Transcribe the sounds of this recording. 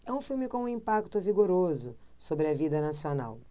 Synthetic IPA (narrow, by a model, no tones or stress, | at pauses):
ɛũfiwmɪkõũĩmpakt̪ʊviɡoɾozʊ | sobɾɪɐvid̪ɐnasiona̰w